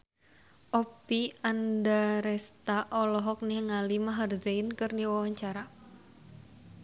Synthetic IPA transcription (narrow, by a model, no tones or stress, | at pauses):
ʔɔpiandaɾɛst̪aʔɔlɔɦɔk̚nihŋalimaɦarzeinkɨrdiwawaɲt͡ʃaɾa